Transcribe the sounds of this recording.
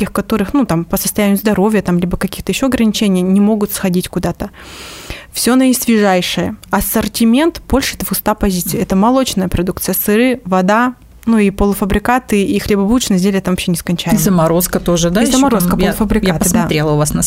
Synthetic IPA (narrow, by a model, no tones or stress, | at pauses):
kʲixkɐt̪o̞ɾɨxnut̪ampəsəst̪ɐjænʲɪjʊzd̪ɐɾo̞vʲjət̪amlʲibəkɐkʲixt̪əjɪɕːoɐɡɾənʲɪt͡ɕenʲɪjənʲɪmo̞ɡʊt̪sxɐdʲitʲkʊd̪at̪ə | fsʲo̞nəisvʲɪʐajʂɨjəɐsərtʲɪmʲe̞nt̪b̥o̞lʲʂɨɛt̪vʊst̪apɐzʲit̪sɨɪɛt̪əmɐlˠo̞t͡ɕnəjəpɾɐd̪uk̚t̪sɨjəsɨɾɨvɐd̪a | nuipolˠəfəbɾʲɪkat̪ɨixlʲebɐbuʊt͡ɕnəzʲdʲelʲɛt̪ɐmvɐpɕːenʲɪskɐnʲt͡ɕæjmzəmɐɾoskət̪oʐɨd̪azəmɐɾoskəpllˠfəbɾʲɪkjat̪pəɨsdmɐaɾʲelˠəʊvasnɐ